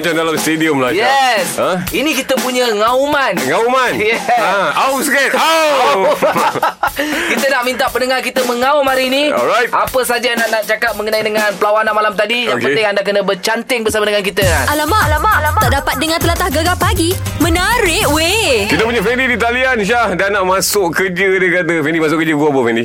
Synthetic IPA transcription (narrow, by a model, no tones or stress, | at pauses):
t͡ʃandalamst̪ediəmlajɛsə̃inĩkit̪əpuɲəŋaumanŋaumanjɛawskɛt̪a | kit̪ənaʔmint̪aʔpənəŋarkit̪əməŋawmaɾiːnĩɔ̰lɾajt̪̚ʔapəsad͡ʒanaʔnaʔt͡ʃakat̪̚məŋənaidəŋanpəlawanaʔmalamt̪adijapəɪŋandak̬ənəbərt͡ʃant̪ɪŋbəsamadəŋankit̪əanalamaʔlamaat̪aʔdapat̪̚dəŋãnt̪əlat̪ahɡaɡapaɡimənaɾɪʔwekit̪əp̬uɲafɛndidit̪alianʃ̬ahdanaʔmãsʊkkəd͡ʒədəkkat̪̬əfɛndimas̬ʊʔkəd͡ʒəkuapəfɛndi